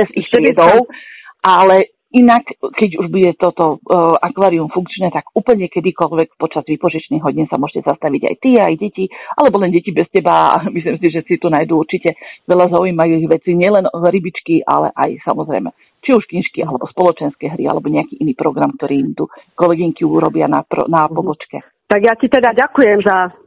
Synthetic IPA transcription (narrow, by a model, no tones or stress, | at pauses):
bɛzixt̪ɪɛd̪ɔʊʔalɛ | inakkɛɟuʒbuɟɛt̪ɔt̪ɔʔakʋaːɾiumfuŋkt͡ʃnɛt̪aɡuːpl̩ɲɛkɛd̪ikɔlʋɛkpɔt͡ʃazʋipɔʒit͡ʃniɣɦɔɟiːnsamʊɔʒ̥ɛcɛzast̪aʋiɟa̰jt̪iajɟɛcia̰lɛbɔlɛnɟɛcibɛscɛbaa̰mislimsiʒɛsit̪unajd̪uuɾt͡ʃicɛʋɛlazaujmajuiɣʋɛt͡siɲɪɛlɛnɾibit͡ʃkiʔa̰lɛ̰ʔajsa̰mɔzɾɛ̰jmɛ̰ | t͡ʃiuʃkinʃkiʔalɛbɔspɔlɔt͡ʃɛnskɛɦɾḭa̰lɛbɔɲɛakiʔiniːpɾɔɡɾamk̚t̪ɔɾiːimt̪ukɔlɛɡiŋkiuɾɔ̰bɪanapɾɔ̰napɔbɔt͡ʃkɛ̰ | t̪aɡjacit̪ɛd̪aɟakujɛmza